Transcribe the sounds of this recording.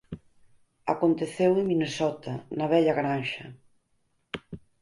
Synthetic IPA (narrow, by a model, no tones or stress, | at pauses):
a̰kont̪eθewɪŋminesɔt̪ɐnɐβ̞ɛʎaɣɾanʃɐ